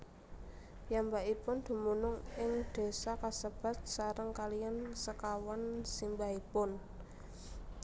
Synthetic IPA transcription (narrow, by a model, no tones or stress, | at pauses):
jambaipʊnd̪̥ṳmunʊŋɪŋd̪̥e̤sakasəb̥a̤t̪̚saɾəŋkalijansəkawansimbaipʊn